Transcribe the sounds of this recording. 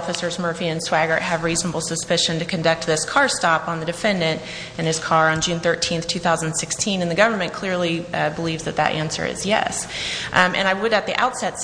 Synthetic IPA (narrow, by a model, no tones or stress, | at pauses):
fɨsə˞zmɜ˞fiɨ̃nswæɡə˞ʔ̚ɨvɹiznəbl̩ˠsɨspɪʃɨ̃ntɨkʰɨ̃ndʌk̚t̪̚ðɪskʰɑɹstɑpn̩ðɨdɨfɛ̃ndɨ̃nt | ɨ̃nɨz̥kʰɑɹə̃nd͡ʒʉ̃nθɜ˞tʰĩnθtʰʉθaʊz̃n̩nsɪkstʰĩnɨ̃nðɨɡʌvə˞mɨ̃nkʰl̥ɪɹlˠibəlivzðɨt̪̚ðɨ̰ɾʔæ̰̃nsə̰˞ɪ̰zjɛ̰s | ʔɨ̰̃ñaɪwəɾɨt̪̚ðiʔa̰ʊtsɛts